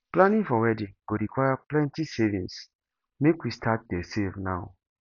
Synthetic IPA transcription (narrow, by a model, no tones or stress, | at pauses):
plãnĩfɔwɛdĩɡ̥oɾikʰwajaplɛ̃ntisevĩns | mekwistʰat̚desevnaʊ